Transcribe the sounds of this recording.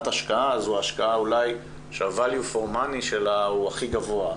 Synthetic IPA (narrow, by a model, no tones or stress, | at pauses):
t̪aʃkaazuaːʃkaaulaj | ʃeavaljufoʁmaniʃe̞lauaχiɡavoa